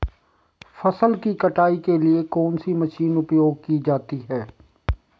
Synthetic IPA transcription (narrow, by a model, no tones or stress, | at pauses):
fɐsəlkikɐʈaːikeliekɔːnsimɐʃiːnʊpjoːɡ̚kid͡ʒaːt̪iɦɛː